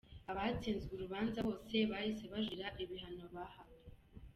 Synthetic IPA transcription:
aβat͡siːnzɡuɾuβaːnzaβo̞ːse̞βajiseβaʒiɾaʔiβiɦano̞βaha

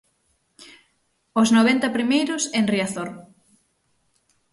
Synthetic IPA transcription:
osnoβent̪ɐpɾimejɾʊseŋriaθoɾ

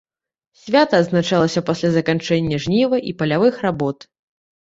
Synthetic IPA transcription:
sʲvʲat̪ɐːd̪znat͡ʂalˠɐsʲɐpasʲlʲazɐkant͡ʂɛnʲːɐʐnʲivɐʔipɐlʲavɨxrabɔt̪

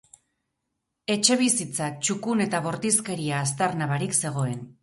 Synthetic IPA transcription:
e̞t͡ʃe̞β̞isit͡sat͡ʃukune̞t̪aβo̞ɾt̪iske̞ɾiaːs̬t̪aɾnaβaɾikse̞ɣ̞o̞e̞n

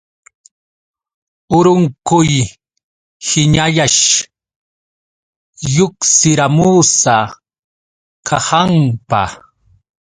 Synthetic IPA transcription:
ʊɾʊŋkʊj | hɪɲajaʃ | jʊksɪɾamuːsa | kʰɑhɑmpa̰

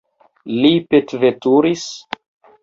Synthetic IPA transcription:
lipetvetuɾis

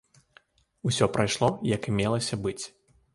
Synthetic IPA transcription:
usʲɔpɾajʂlˠɔjɐkɨmʲɛlˠɐsʲɐbɨt͡sʲ

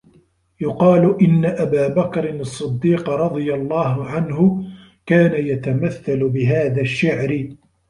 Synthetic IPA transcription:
jʊqɑːlʊʔɪnːaʔabaːbakɾɪnɑsˤːɨd̪ːiːqɾˤɑd̪ˤɨjalˤːɑːɦʊʕanɦʊ | kaːnajat̪amaθːalʊbɪɦaːðaʃːaʕɾɪ

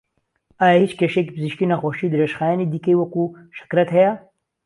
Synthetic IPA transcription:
aːjahit͡ʃkeʃekpɨziʃkinaxoʃid̪ɾeʃxaːjaːnid̪ikejwɐku | ʃɪ̥kɾɐt̪hɐja

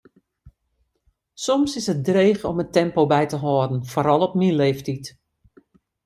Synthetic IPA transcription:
sɔmsɪsət̚dreːxɔ̰mətɛmpobɛjtəɦɔːdn̩foɾɔlˠɔp̚mileːftit

